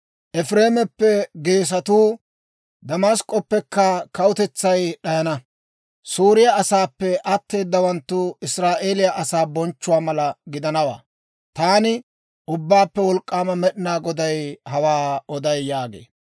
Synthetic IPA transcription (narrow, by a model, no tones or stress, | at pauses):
ʔɛfɾe̞ːmɛpːɛɡe̞ːs̬ɐt̪uː | d̪ɐmaːskʼːɔpːɛkːɐkɐwʊt̪ɛt͡sːɐjɗɐjɐnɐ | suːɾɪjaɐsaːpːɛʔɐt̪ːe̞ːd̪ːɐwɐnt̪ːʊɪsɾaːʔe̞ːlɪjɐʔɐsaːbɔnt͡ʃːʊwaːmɐlɐɡɪd̪ɐnɐwa̰ː | t̪aːnɪ | ʔʊbːaːpːɛwɔlkʼːaːmɐmɛɗɪnaːɡɔd̪ɐjhɐwaːɔd̪ɐjːaːɡe̞̰ː